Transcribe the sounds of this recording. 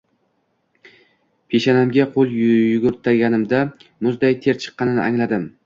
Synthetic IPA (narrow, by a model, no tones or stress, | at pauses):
pʰeʃanamɡʲaqʰolˠjʊɡʲʊɾt̪ʰaɡʲanɪmd̪amʊzd̪ajt̪ʰe̞ɾt͡ʃʰɨ̥qːɑnɪnɪ̰ʔaŋlad̪ɪm